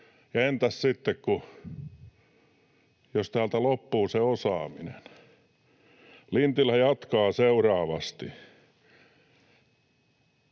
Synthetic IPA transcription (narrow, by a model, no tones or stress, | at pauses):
jɑent̪æssit̪ːekku | jost̪æːlt̪ælopːuːseosɑːminen | lint̪ilhæjɑt̪kɑːseurɑːʋɑst̪i